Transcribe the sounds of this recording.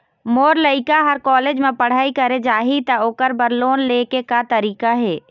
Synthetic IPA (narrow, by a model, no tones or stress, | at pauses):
moːɾləɪkaɦɐɾkɔːleːd͡ʒmẽpəɽ̤aːikɐɾed͡ʒaːɦit̪ɐoːkəɾbəɾloːnleːkekat̪ɐɾiːkaɦɛː